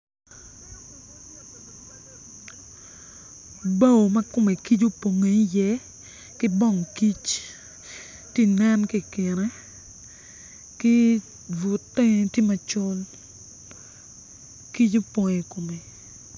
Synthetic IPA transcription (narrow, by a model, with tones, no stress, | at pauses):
ba˦o˨ma˦kʊ˦me˨ki˦t͡ʃu˦po˨ŋe˨i˦jɛ˦ | kɪ˦bɔ˦˨ŋki˦t͡ʃ | ti˦nɛ˦nki˦˨kɪ˨ɾɛ˦ | kɪ˦ | vu˨tːɛ˦ti˦ma˨t͡ʃɔ˦l | ki˦t͡ʃo˦pɔ˨ŋe˨ko˨me˨